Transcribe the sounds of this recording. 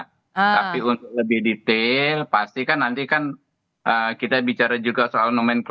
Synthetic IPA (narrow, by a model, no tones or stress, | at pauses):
t̪apiunt̪ʊk̚ləbɪhdit̪elpast̪ikanːant̪ikan | ʔəkit̪abit͡ʃaɾad͡ʒuɡasoalnomɛnk